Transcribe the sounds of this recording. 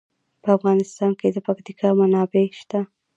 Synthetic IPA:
pəafɣɑnɪst̪ɑnked̪əpakt̪ikʰɑmanɑbeʃt̪a

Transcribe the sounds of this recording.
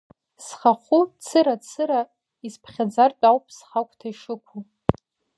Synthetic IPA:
sχaχʷut͡sʰɨɾat͡sʰɨɾa | ispʰχʲad͡zart͡pʼawpʼsχakʷʰʼtʰaiʂɨkʷʰu

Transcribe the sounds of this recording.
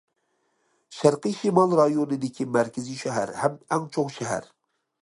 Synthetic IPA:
ʃæɾqɨʃimɑlˠɾɑjonɨd̪ɪkʲʰimæɾkʲʰɪziʃɛɦæ̰ɾhɛmɛŋt͡ʃʰoqʃɛɦæ̰ɾ

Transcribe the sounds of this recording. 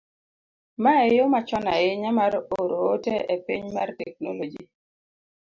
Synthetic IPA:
maejomat͡ʃɔnaɪɲamaɾoɾooteepiɲmartɛk̚nolod͡ʒi

